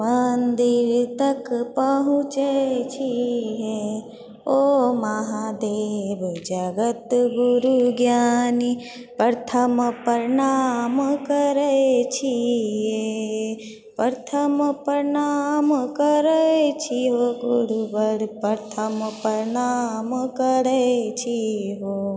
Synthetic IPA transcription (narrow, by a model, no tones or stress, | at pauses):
mɐnd̪iɾt̪ɐkpəɦũt͡ʃət͡ʃʰiɦe | omaɦad̪eːbd͡ʒaɡət̪ɡuɾuɡjaːni | pəɾt̪ʰəmpɐɾɪɳamkəɾəet͡ʃʰiɦe | pəɾt̪ʰəmpəɾnamkəɾət͡ʃʰiɦoɡʊɽubəɽpɐɾt̪ʰəmpɐɾɪɳamkəɽət͡ʃʰiɦoː